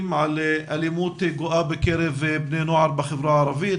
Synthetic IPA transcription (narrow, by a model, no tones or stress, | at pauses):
mʕaleʔalimuːt̪eɡʊʔaːbɪkeɾɪvebneːnuʕɑɾˤbaxɪbɾˤɑːʕɑɾˤɑviː